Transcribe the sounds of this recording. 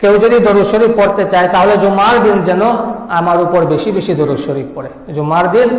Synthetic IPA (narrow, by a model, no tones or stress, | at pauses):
kewd͡ʑod̪id̪oɾuʃoɾik̚poɾt̪et͡ɕaet̪aɦoled͡ʑomaɾd̪ind͡ʑɛnoamaɾupoɾbeʃibeʃid̪oɾuʃoɾik̚poɾe | d͡ʑomaɾd̪in